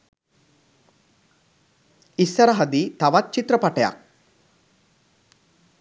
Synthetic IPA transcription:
isːɐɾɐɦɐd̪it̪ɐʋat̪̚ːt͡ʃit̪ɾɐpɐʈɐja̰k̚

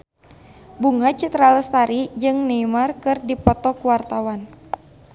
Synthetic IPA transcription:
buŋat͡ʃit̪ɾaləst̪aɾid͡ʒɨŋneimarkɨrdipɔt̪ɔkuwart̪awan

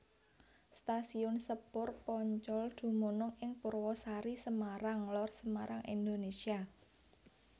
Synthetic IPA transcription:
st̪asiɔnsəpʊrpɔɲt͡ʃɔld̪̥ṳmonɔŋɪŋpuɾwɔsaɾisəmaɾaŋlɔrsəmaɾaŋind̪onesia

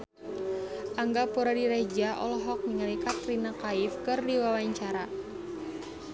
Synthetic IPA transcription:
ʔaŋɡapuɾadiɾed͡ʒaʔɔ̰lɔɦɔk̚miŋalikat̪ɾinakaɪfkɨrdiwawaɲt͡ʃaɾa

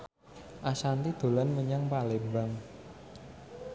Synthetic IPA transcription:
ʔasant̪id̪̥o̤lanməɲaŋpalebaŋ

